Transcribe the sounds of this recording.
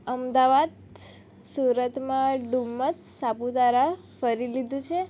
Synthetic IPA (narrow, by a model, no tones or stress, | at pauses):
əmd̪aʋad̪ | suɾət̪mãɖumːət̪ | sapud̪ʱaɾa | fəɾilid̪ʱũt͡ʃʰe